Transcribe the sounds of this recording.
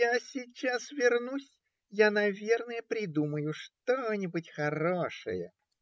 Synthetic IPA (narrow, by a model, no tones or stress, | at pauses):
jasʲɪt͡ɕːasvʲɪrnusʲ | janɐvʲe̞rnəjəpɾʲɪd̪uməjʊʂt̪onʲɪbʊtʲxɐɾoʂɨ̰jə̰